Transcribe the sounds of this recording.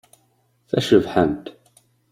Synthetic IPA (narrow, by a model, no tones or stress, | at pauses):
θæʃəvħəmt̪